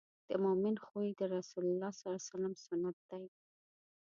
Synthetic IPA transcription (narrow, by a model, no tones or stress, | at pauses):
d̪̥əmʊmɪnxoid̪əɾasulʊlːɑsalasalamsʊnːat̪̚d̪̥aj